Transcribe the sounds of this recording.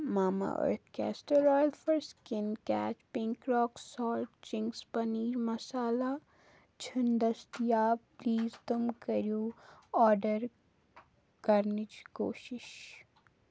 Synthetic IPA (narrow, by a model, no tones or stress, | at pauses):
maːma̰ə̰ɾt̪̚ʰkɛ̰ːsʈəɾɔːjəlfəɾskɪnkɛ̰ːt͡ʃpɪ̃ŋkɾɔːksɔːlʈt͡ʃɪ̃ŋkspɐniːɾmɐsaːla | t͡ʃʰɐnd̪ɐst̪ijaːpliːzt̪ʊmkɐɾijoːɔːɾɖəɾ | kɐɾnit͡ʃko̰ːʃɪʃ